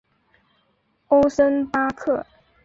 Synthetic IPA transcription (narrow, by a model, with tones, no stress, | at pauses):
o˥ʊsə˥npa˥kʰɤ˥˩